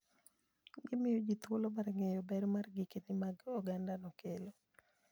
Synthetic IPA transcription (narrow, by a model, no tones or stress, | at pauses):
ɡɪmɪjod͡ʒit̪wolomaɾŋejɔbɛɾomarɡikenɪmaɡɔɡandanɔkelo